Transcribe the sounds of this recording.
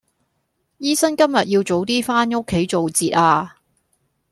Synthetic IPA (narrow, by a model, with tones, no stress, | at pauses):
jiː˥sɐ˥nkɐ˥mjɐ˨t̚jiː˧wt͡so˨˥wt̪iː˥faː˥nŋo˥kʰːe˨˥jt͡so˨wt͡siː˨t̚aː˧